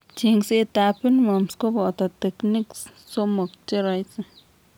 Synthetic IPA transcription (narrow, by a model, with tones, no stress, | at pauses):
t͡ʃi˧ŋse˧t̪a˧pi˦nmo˨msko˦bo˨t̪a˨t̪e˧kni˦ks | so˦mo˨kt͡ʃe˦ɾa˧jt͡sa˨